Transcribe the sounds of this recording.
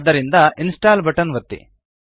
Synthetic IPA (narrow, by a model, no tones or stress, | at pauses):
d̪ːɐɾind̪ɐinsʈaːlbɐʈɐnʋɐt̪ːḭ